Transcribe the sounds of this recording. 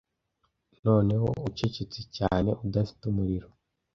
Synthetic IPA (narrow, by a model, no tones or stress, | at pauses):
no̞ːne̞wo̞̰uce̞cet͡secaːne̞ʔudafi̥tumuɾiɾo̞